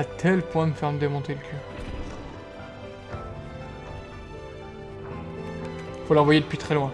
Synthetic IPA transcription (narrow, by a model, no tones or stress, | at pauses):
at̪ʰɛlpwɛ̃məfɛʁməd̪emɔ̃t̪eləkʲʰœʁ | folɑ̃vwajed̪əpɥit̪χɛlwɛ̃